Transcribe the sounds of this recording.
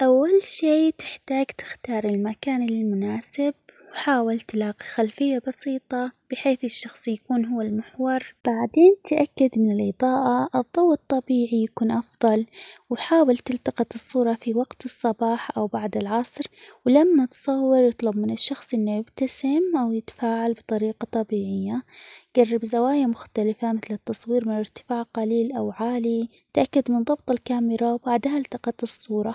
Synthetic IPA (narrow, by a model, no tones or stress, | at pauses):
ʔawːalʃeːt̪ɪħt̪aːɡt̪ɪ̥xt̪ɑːɾˤɪlmakaːnlɪlmʊnaːsɪb̚wħaːwɪlt̪laːqixalfɪjːabɑsiːt̪ˤɑb̥ɪħeːθɪʃːɑxsˤjakuːnɦʊwːalmɪħwɑɾˤb̥aʕd̪eːnt̪ʰʔakːad̪mɪnɪlʔɨðˤɑːʔaʔɨðˤːʊwɨt̪ˤːɑbiːʕijakuːnʔɑfðˤɑlwħaːwɪlt̪ɪlt̪ɑqɑt̪ɨsˤːuːɾˤɑfiwɑɡt̪ɨsˤːɑbɑːħʔawbaʕd̪ɪlʕɑsˤɾwlamːat̪sˤɑwːɪɾjɨt̪ˤlʊbmɪnɪʃːɑxsˤʔɪnːojɪbt̪asɪmʔawjɪt̪ḁfaːʕalbɨt̪ˤɑɾiːqɑt̪ˤɑbiːʕɪjːaɡ̥arːɪbzawaːjamʊxt̪alɪfamɪθlɪt̪ːɑsˤwiːɾmɪnɪɾt̪ɪ̥faːʕqɑliːlʔawʕaːli | t̪ʔakːad̪mɪnðˤɑb̚t̪ˤɪlkaːmɪɾawbaʕd̪haɪlt̪ɑqɑt̪ɨsˤːuːɾˤɑ